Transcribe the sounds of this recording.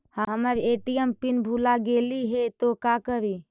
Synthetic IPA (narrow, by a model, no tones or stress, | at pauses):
hãɦəməɾeʈijəmpinbʱulaɡeliɦet̪okakəɾi